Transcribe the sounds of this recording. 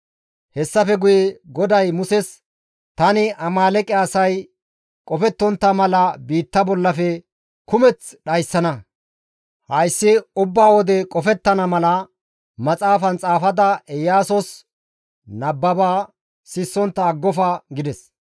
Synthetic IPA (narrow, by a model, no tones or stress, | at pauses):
hɛsːɐfɛɡʊjɛɡɔd̪ɐjmʊsɛs | t̪ɐnɪʔɐmaːlɛkʼɪɐsɐj | kʼɔfɛt̪ːɔnt̪ːɐmɐlɐbiːt̪ːɐbɔlːɐfɛ | kʊmɛt͡sɗɐjsːɐnɐ | hɐjsːɪʊbːaːwɔd̪ɛkʼɔfɛt̪ːɐnɐmɐlɐ | mɐt͡sʼaːfɐnt͡sʼaːfɐd̪ɐʔɛjːaːsɔs | nɐbːɐbaː | sɪsːɔnt̪ːɐːɡːɔfɐɡɪd̪ɛs